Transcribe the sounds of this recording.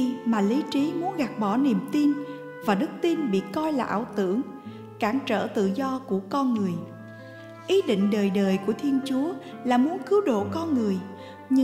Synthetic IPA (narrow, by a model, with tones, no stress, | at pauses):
maː˨˩li˨˦t͡ɕi˨˦mu˨˦ənɣa˨˩t̚ɓɔ˧˩ni˨˩əmt̪i˧n | vaː˨˩ɗɨ˦˥k̚t̪i˧nɓḭ˧˨kɔ˧jlaː˨˩ʔaː˧˩wt̪ɨ̰˧˩˨əŋ | kaː˧˩ŋt͡ɕə̰ː˧˨t̪ɨ̰˧˨zɔ˧ku˧˩əkɔ˧nŋɨ˨˩əj | ʔi˨˦ɗḭ˧˨ŋ̟ɗəː˨˩jɗəː˨˩jku˧˩ət̪ʰi˧ənt͡ɕu˨˦əlaː˨˩mu˨˦ənkɨ˨˦wɗo̰˧˨kɔ˧nŋɨ˨˩əj | ɲɨ˧